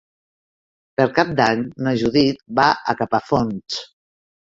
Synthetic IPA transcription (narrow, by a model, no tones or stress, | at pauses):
pəɾkap̚d̪aɲnoʒuðit̪̚baʔə̰kapafons